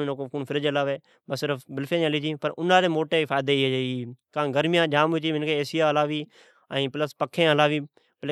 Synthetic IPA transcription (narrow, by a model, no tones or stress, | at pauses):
nokokuːnfʰɪɾəd͡ʒlaːʋeː | bəsːɪɾəfbɪlfʰẽːnəliːt͡ʃĩːpəɾʊnaːɾeːmoːʈeːfʰaːd̪eːieiːkãːɡəɾmjãːd͡ʒaːmut͡ʃiːʋɪnkʰeːeːsɪjaːəlaːʋiː | əĩːpləspəkʰːẽːəlaːʋiː | pl